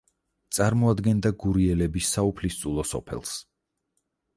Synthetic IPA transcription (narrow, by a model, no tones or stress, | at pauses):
t̪sʼaɾmɔad̪ɡɛnd̪aɡuɾiɛlɛbisːaupʰlist̪sʼulˠɔsɔ̰pʰɛ̰lˠs